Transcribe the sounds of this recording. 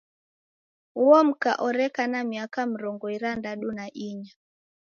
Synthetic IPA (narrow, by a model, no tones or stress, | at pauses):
uɔm̩ka̰ʔɔɾɛkanamiakam̩ɾɔŋɡɔiɾandaɗunaʔiɲa